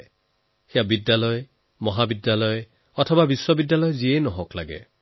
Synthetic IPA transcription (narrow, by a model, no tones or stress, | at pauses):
xijabidjalɔj | mɔɦabidjalɔj | ɔtʰɔbabiswɔbidjalɔjziɛjnɔɦɔklaɡɛ̰